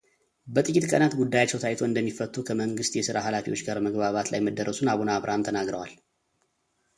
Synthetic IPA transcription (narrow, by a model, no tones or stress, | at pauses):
bət̪ʼɨkʼːit̪kʼənat̪ɡud̪ːajat͡ʃːɛwt̪ʰajt̪ʰo̞ɨnd̪əmːifːət̪ʼːukʰəməŋɡɨst̪jɛsɨɾaɦalafiwo̞t͡ʃːɡaɾməɡβaβat̪la̰jməd̪ːəɾʔəsunaβunaːβɾʔant̪ʰənaɡɾəwal